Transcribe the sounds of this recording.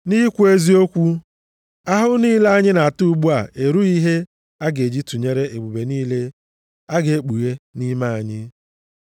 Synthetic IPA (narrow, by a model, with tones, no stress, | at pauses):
ni˦kʷu˦e˦zi˦o˦kʷu˦ | a˦ɦʊ˦niː˦le˦a˦ɲɪ˦na˨a˨tu˦˨˦ɡ͡bu˦a˨ʔe˨ɾu˦i˦ɦe˦ | a˦ɡe˨d͡ʒi˦tu˨ɲe˦ɾe˦ʔe˨ɡ͡bu˨be˨niː˦le˦ | a˦ɡe˨e˦k͡pu˨ɣe˦ni˦ma˦a˨ɲɪ˦